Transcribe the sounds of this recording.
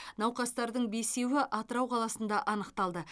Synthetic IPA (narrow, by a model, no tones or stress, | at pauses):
nɑwqɑst̪ɑɾd̪əɴbe̞se̞wɪʔɑt̪əɾɑwqʰɑlˠɑsənd̪ɑʔɑnəqt̪ɑlˠd̪ə